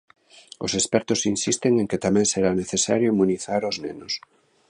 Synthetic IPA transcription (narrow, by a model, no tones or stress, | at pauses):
ʊ̰sespɛɾt̪ʊsinsist̪eŋeŋket̪amɛ̃ŋseɾaneθesaɾjoimuniθaɾʊznenʊs